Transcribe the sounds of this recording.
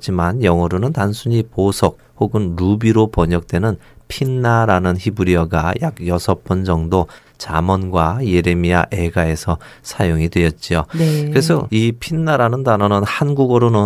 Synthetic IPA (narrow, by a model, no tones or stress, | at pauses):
t͡ɕ͈imanjʌŋʌɾonɯntansʰuɲiposʰʌk̚hoɡɯnɾubiɾopʌɲʌk̚t͈we̞nɯnpʰinːaɾanɯnçibuɾiʌɡaja̰ɡjʌsʰʌp͈ɯnd͡ʑʌŋdo | t͡ɕamʌnɡwaje̞ɾe̞miaʔe̞ɡae̞sʰʌsʰajoŋidwe̞jʌt̚t͡ɕ͈iokɯɾe̞sʰʌipʰinːaɾanɯndanʌnɯnhanɡuɡɯɾonɯ